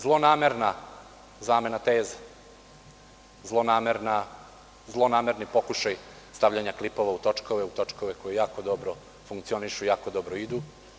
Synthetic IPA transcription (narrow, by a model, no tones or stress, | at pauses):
zlˠo̞naːme̞ɾna | zaːme̞nat̪e̞ːzḁ | zlˠo̞naːmeɾna | zlˠo̞naːmeɾnipo̞kuʃaj | st̪aʋʎaɲaklipo̞ʋaut̪o̞t͡ʃko̞ʋeut̪o̞t͡ʂkoʋe̞ko̞jejaːko̞d̪o̞bɾo̞ | fuŋkt̪sio̞niʃujaːkod̪o̞bɾoid̪u